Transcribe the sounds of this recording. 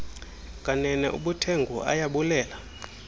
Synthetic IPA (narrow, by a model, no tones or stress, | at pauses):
kʼanɛnɛʔṵɓutʰeŋɡʱuʔa̰jaɓulɛːla